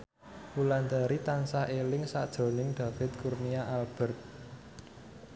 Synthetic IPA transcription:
uland̪aɾit̪ansaʔelɪŋsad̥ʒ̥o̤nɪŋɖ̪̥a̤fɪt̪̚kurniaʔalb̥ɛ̤rt̪̚

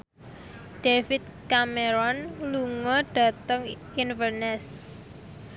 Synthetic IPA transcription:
ɖ̥efit̪̚kameɾɔnluŋɔɖ̥a̤t̪əŋ | infərnɛs

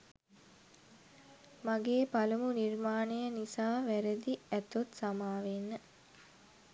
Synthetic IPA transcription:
maɡeːpalumunirmaːnejənisaːʋæɾəd̪iæt̪ot̪samaːʋenːə

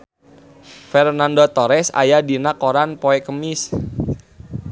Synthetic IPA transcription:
fɛrnandot̪ɔɾɛsa̰jadinakoɾanpoɛkəmɪs

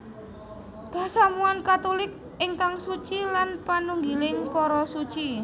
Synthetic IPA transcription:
b̥asamuankat̪olɪk̚ | ɪŋkaŋsut͡ʃilanpanuŋɡilɪŋkɔɾɔsut͡ʃi

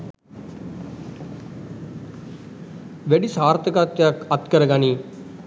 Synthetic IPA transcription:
ʋɛːɖiːsaːɾt̪əkat̪ət̪kəɾəɡaːniː

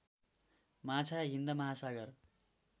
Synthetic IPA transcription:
mat͡sʰaɦind̪ʌmʌɦasaɡʌr

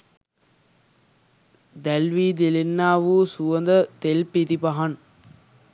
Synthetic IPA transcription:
d̪ælʋiːd̪ilenːaːʋuːsuʋənd̪ət̪elpiɾipɐɦɐn

